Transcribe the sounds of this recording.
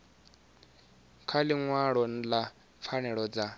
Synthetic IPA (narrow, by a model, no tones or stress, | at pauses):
kʰaliŋwaɺɔn̩la | p̪fʰanɛɺɔd͡za